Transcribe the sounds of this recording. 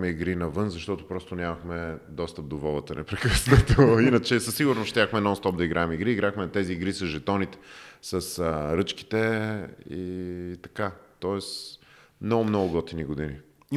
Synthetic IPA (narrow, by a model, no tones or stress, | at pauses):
mɛiɡɾinɐvɤnzɐʃt̪ɔt̪ʊpɾɔst̪onʲjamɐxmɛd̪ɔst̪əp̚d̪ovɔlˠət̪ənɛ̰pɾɛkəsnɐt̪oinət͡ʃɛsɐsiɡʊɾnosʃt̪ʲjaxmɛːnɔnst̪ɔp̚d̪ɐiɡɾʔaɛmiɡɾiːɡɾaxmɛɐt̪ɛziːɡɾisɐzʒɛt̪ɔnit̪ɛ̥səsəɾɤt͡ʃki̥t̪ɛ | it̪ɐ̥kat̪ɔɛs | mnɔɡʊmnɔɡʊɡɔt̪iniɡod̪ini